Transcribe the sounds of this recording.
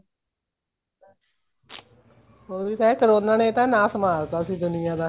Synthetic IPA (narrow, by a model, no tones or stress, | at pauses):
oːɾiːt̪ɛːkəɾoːnãːnẽːt̪ãːnãːsəmaːɾt̪aːsiːd̪ʊnɪjãːd̪aː